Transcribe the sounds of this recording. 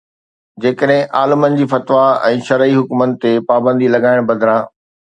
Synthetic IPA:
d͡ʑeːkəɗɦɪ̃ʔaːlɪmənɪ̆d͡ʑiːfɐt̪ʋaɛ̃ːʃɐɾəiɦʊkmənɪ̆t̪epaːbə̃nd̪ilɐɠaːɪɽ̃bɐd̪ʱɾãː

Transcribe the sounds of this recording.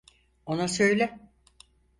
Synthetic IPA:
onasø̞jlʲɛ

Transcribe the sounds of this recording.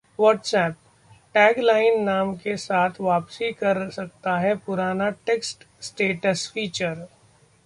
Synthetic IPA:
ʋɔːʈsɛːp̚ | ʈɛːɡlaːɪnːaːmkesaːt̪ʰʋaːpsikɐɾsɐk̚t̪aɦɛpʊɾaːnaʈeːksʈ | sʈeːʈəsfiːt͡ʃəɾ

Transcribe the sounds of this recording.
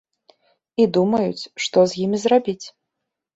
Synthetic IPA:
id̪umɐjut͡sʲʂt̪ɔzʲjimʲizrabʲit͡sʲ

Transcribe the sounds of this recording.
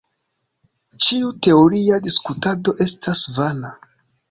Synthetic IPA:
t͡ʃiute̞oɾiadiskutado̞ʔe̞stʰasvala

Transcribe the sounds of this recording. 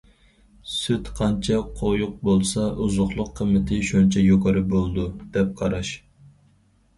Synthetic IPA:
syt̪qʰɑnt͡ʃʰɑqʰojʊq̚bolˠsɑuzʊχlˠʊqʰːəmːɪt̪ʰɪʃunt͡ʃʰɛjokʰɑɾɨbolˠd̪ud̪̥ɛp̚qʰɑɾɑʃ

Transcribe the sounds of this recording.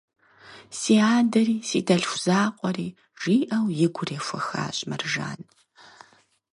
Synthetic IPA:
siːaːdɐɾiːsiːdʰɐɬxʷʊz̥aːqʷʼɔriː | ʒ̥iːʔɐwjɪɡʷʊreːfʷɐxa̰ːɕʼmɐrʒa̰ːn

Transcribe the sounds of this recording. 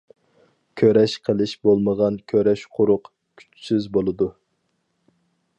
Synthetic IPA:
kʲʰøɾɛʃqʰəlˠɪʃbolˠməʁɑnkʲʰøɾɛʃqʰʊɾʊq | kʲʰy̥t͡ʃsyzbolˠɨd̪u

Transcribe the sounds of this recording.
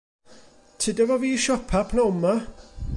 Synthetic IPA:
tʰɪdɛvɔviːʃɔpʰapʰnaʊma

